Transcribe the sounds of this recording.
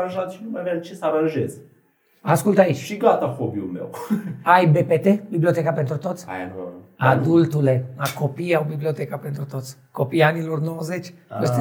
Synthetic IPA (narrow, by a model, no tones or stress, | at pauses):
ãnʒat̪ʃinumajavjat͡ʃesəaɾãnʒḛz | askult̪ait͡ʃʲʃiɡat̪afobiulmḛwajbepet̪ebibliot̪ekapent̪ɾut̪o̞t̪sʲa̰ad̪ult̪uleakopiawbibliot̪ekape̞nt̪ɾut̪o̞t̪sʲko̞pianilornowəzet͡ʃʲest̪